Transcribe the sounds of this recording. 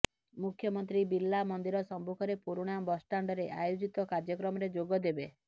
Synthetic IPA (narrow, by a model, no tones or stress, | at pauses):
mukʰjɔmɔnt̪ɾibilːamɔnd̪iɾɔsɔmbukʰɔɾepuɾuɽ̃amɔbɔsʈaɳɖɔɾeʔajod͡ʒit̪ɔkaɾd͡ʒjɔkɾɔmɔɾed͡ʒoɡɔd̪ebe